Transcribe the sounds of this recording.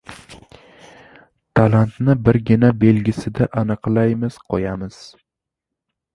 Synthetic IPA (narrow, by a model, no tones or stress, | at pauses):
t̪ʰalant̪nɪbɪɾɡʲɪnabe̞lɡʲɪsɪd̪aʔanɨqlˠajmɪz̥qʰɒjamɪz̥